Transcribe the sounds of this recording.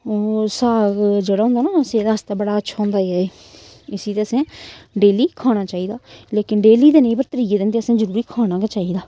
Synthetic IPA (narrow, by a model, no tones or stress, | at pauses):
osaːɡd͡ʒeːɽaːɦʊ̃ːnd̪aːnaːsẽːd̪aəst̪aːbəɽaːətːʃʰaːʊ̃ːnd̪aːiɛːe | ɪsiːt̪eːəsẽːɖeːliːkʰaːɽ̃aːt͡ʃaːiːd̪aːleːkɪnɖeːliːd̪eːnəĩpəɾt̪əɾiːkeːd̪eːnd̪eːəsẽːzəɾuːɾiːkʰaːɽ̃ãːket͡ʃaːiːd̪aː